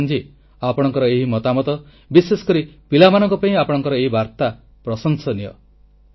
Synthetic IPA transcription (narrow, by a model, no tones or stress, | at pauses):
nd͡ʒi | apɔɽ̃ɔŋkɔɾɔeɦimɔt̪amɔt̪ɔ | bisesɔ̥kɔɾipilamanɔŋkɔpaĩapɔɽ̃ɔŋkɔɾɔeɦibaɾt̪a | pɾɔsɔŋsɔniɔ̰